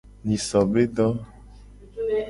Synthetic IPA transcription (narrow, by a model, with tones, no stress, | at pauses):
nĩ˨sɔ˨be˦ɖɔ˦